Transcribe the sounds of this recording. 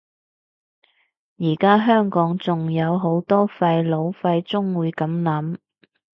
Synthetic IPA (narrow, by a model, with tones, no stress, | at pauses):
jiː˨˩kaː˥ɦœː˥ŋkɔː˨˥ŋt͡sʊ˨ŋjɐ˨˧wɦo˨˥wt̪ɔː˥fɐ˧jlo˨˧wfɐ˧jt͡sʊ˥ŋwuː˨˧jkɐ˨˥mlɐ˨˥m